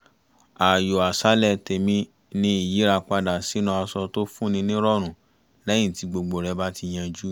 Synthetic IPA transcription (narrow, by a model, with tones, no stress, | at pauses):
a˨jo˨a˨sa˨˦lɛ˦˧te˧mĩ˧ | nĩ˦i˦˨ji˨˦ɾa˧k͡pa˧da˨si˨˦nũ˧˦a˧sɔ˧to˦fũ˦nĩ˧nĩ˦ɾɔ˦˨ɾ̃ũ˨ | lɛ˦ĩ˦˨ti˧ɡ͡bo˧ɡ͡bo˨ɾɛ˨˧˦ba˦ti˧j̃ã˧d͡ʒu˦